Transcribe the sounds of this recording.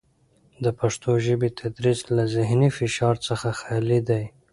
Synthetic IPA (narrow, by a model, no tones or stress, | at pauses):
d̪əpaʂt̪oʒəbet̪ʰad̪ɾizlazɪɦnifɪʃɑɾt͡səxaxɑalid̪aj